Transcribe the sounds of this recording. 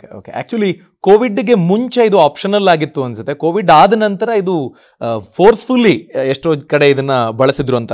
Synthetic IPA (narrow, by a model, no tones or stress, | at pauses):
okeo̰ːkḛʔæ̰ːk̚t͡ʃuʋɐli | koːʋiɖːɡe̞muɲt͡ʃeid̪uaːpʃɐnɐlːaːɡit̪ːuɐnsut̪ːe̞koːʋiɖaːd̪ɐnɐnt̪ɐɾɐid̪u | pʰoːɾspʰulːieʂʈoːkɐɽe̞id̪ɐnːɐbɐɭɐsid̪ɾuɐnt̪ɐ